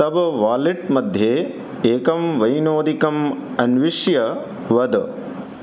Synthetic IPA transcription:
ɐbɐʋaːliʈmɐd̪ʱjeː | eːkɐmʋɐjnoːd̪ikɐmɐnʋiʂjɐ | ʋɐd̪

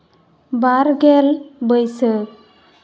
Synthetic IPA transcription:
baɾɡelbəjsə

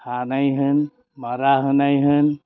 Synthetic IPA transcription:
hanajɦɯn | maɾaɦənajɦɯn

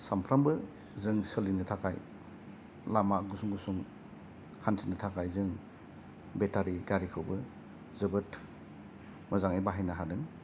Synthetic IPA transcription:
sampʰɾambɯ | zɯŋsəlinɯtʰakʰaj | lamaɡusuŋɡusuŋ | hantʰinɯtʰakʰajzɯŋ | betʰaɾiɡaɾikʰɯwbɯ | zɯbɯt | mɐzaŋajbaɦajnaɦadɯŋ

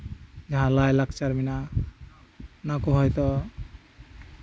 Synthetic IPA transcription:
d͡ʒaɦãlajlakʰt͡ʃaɾmina | nakoɦɔjt̪ɔ

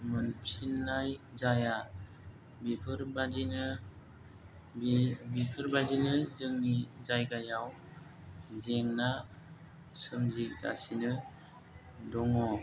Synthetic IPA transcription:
mɯnpʰinːajzaja | bipʰɯɾbadinɯ | bipʰɯɾbajdinɯzɯŋnizajɡajaw | zeŋna | sɯmziɡa̰sinɯ | dɔŋɔ

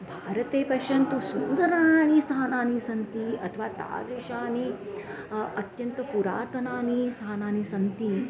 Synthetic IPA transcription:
bʱaːɾɐt̪eːpɐʃɐnt̪usund̪ɐɾaːnist̪ʰaːnaːnisɐnt̪iɐt̪ʰɐʋaːt̪a̰ːd͡zʋiʂaːni | ɐt̪jɐnt̪ɐpuɾa̰ːt̪ɐnaːnist̪ʰaːnaːnisɐnt̪i

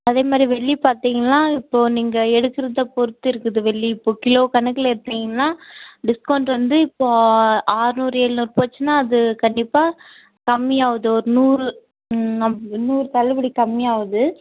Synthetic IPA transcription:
ɐðeːmaːd̪ɾiʋɛɭːipaːɾt̪iːŋɡɐnːaːɪpːoːniːŋɡɐɛɽɯkːɪɾɐðɐpɔɾɯt̪ːɯɪɾɯkːɯðɯʋɛɭːiɪpːoːkɪloːkɐnɐkːɐlɪɾɯt̪ːiːŋɡɐnːaːɖɪskoːɳɖʋɐnd̪ɯɪpːoːaːɾɯnuːɾeːɭɯnuːɾpoːt͡ʃːɯnːaːɐðɯkɐɳɖɪpːaː | kɐmːiaːʋɐðɯɔɾɯnuːɾɯ | nɐmɐnuːɾɯt̪ɐlɐbɐɽikɐmːiaːʋɐðɯ

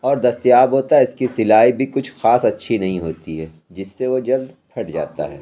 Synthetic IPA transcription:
ɔːɾd̪ɐst̪ijaːbɦoːt̪aɛɪskisɪlaːibʱikʊt͡ʃʰxaːsɐtːʃʰinɐɦĩɦoːt̪iɦɛː | d͡ʒɪsːeʋod͡ʒɐld̪pʰɐʈd͡ʒa̰ːt̪a̰ɦɛ̰ː

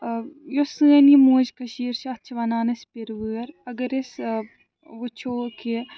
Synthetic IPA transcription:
josɨɐnimuːd͡ʒkɐʃiːɾʃɐt͡ʃʰʋɐnaːnɐspiɾʋɨɐɾɐɡɐɾes | ʋut͡ʃʰoːkʰi

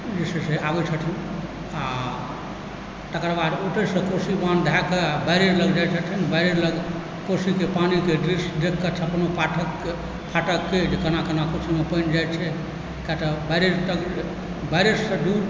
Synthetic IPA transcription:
d͡ʒeseseabət͡ʃʰəʈʰi | a | t̪əkɾbaɾoʈesə̃kosiband̪ʱakəabajɾeɾləɡd͡ʒajt͡ʃʰəʈʰinbajɾeɾləɡ | kosikepanikeɖɾisd̪ekʰkət͡ʃʰepnopaʈʰəkː | pʰaʈəkːed͡ʒekənakənakosimepənd͡ʒajt͡ʃʰɛ | kjat̪əbaɾeɾʈ̪əɡ | baɾesəɖuɾ

